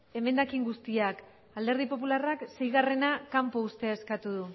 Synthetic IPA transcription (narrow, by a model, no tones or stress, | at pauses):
e̞me̞nd̪akiŋɡust̪iak | ald̪e̞ɾð̞ipo̞p̬ularakse̞jɣare̞nakampoust̪e̞eskat̪uðu